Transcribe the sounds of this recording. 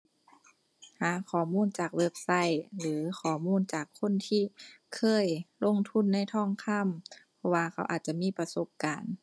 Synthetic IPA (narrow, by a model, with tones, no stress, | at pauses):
haː˨˦kʰɔː˨˩muː˧˥˨nt͡ɕaː˨˩k̚we˧˩p̚sa˧˥˨jlɯː˩˦xʰɔː˨˩muː˧˥˨nt͡ɕaː˨˩kʰːo˧˥˨nt̪ʰiː˧˥˨kʰɤː˧˥˨jlo˧˥˨ŋt̪ʰu˧˥˨nːa˧˥˨jt̪ʰɔː˧˥˨ŋkʰa˧˥˨mpʰɔ˧waː˧kʰa˧˩wʔaː˨˩t̪̚t͡ɕa˧miː˧˥˨pa˧so˧˦p̚kaː˨n